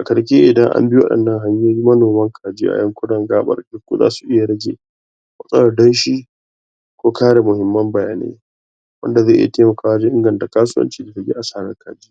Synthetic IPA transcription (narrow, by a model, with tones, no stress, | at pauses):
ʔa˨kɐ˨ɽkʲe˦ʔɪ˨dɐ˦ŋʔa̰˦mbɪ˦wɐ̰˦ɗɐ̰˨nːɐ˦ŋɦa˦ɲː˦aː˦ji˦mɐ˦noː˨mɐ˦ŋkʰaː˨d͡ʒiː˦ʔa̰˨jɐ˦ŋkʷʊ˦dɐ˨ŋɡaː˦ɓɐ̰˨rdʊ˦kʷːṵ˦za̰ː˦su˨ʔɪ˦ja˨ɽɐ˦ɡʲḛ˨ | mɐ˦sʼɐ˦wɐ˨rdɐ˦nʃiː˦ | kʷoː˦kaː˦ɽa˨mʊ˨hɪ˨˦mːɐ˦mbɐ˨ja̰ː˨nḛː˦ | wʔɐ̰˦nda˨zaː˦˨ʔɪ˦ja̰˨teː˦mɐ˨kaː˨wa˦d͡ʒi˦ʔɪ˦ŋɡɐ˨nta˨kaː˦s̬ʊ˦wɐ̰˦nt͡ʃiː˦da˨tɐ˨˦ɡʲḛ˦ʔa˨saː˦ɽɐ˦ŋkʰaː˨d͡ʒi˦